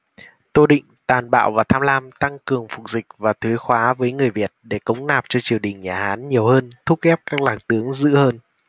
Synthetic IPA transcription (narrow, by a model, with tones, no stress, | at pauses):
t̪o˧ɗḭ˧˨ŋ̟t̪aː˨˩nɓa̰ː˧˨wvaː˨˩t̪ʰaː˧mlaː˧mt̪a˧ŋkɨ˨˩əŋfʊ˨˩k͡p̚zï˨˩k̟̚vaː˨˩t̪ʰwi˨˦xwaː˨˦vəː˨˦jŋɨ˨˩əjvi˨˩ət̚ɗe˧˩kə˨˦wŋ͡mnaː˨˩p̚t͡ɕɔ˧t͡ɕi˨˩əwɗï˨˩ŋ̟ɲaː˨˩haː˨˦nɲi˨˩əwhəː˧nt̪ʰu˦˥kɛ˦˥p̚kaː˦˥k̚laː˨˩ŋt̪ɨ˨˦əŋzɨ̰˧˥həː˧n